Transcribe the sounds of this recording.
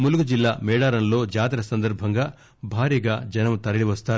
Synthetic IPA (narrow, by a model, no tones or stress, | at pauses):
muluɡud͡ʒilːaːmɛːɽaːɾɐnlo̞ːd͡ʒaːt̪iɾɐsɐnd̪ɐɾbʱɐŋɡaː | bʱaːɾiɡaːd͡ʒɐnɐmt̪ɐɾɐɭiʋɐst̪aːɾu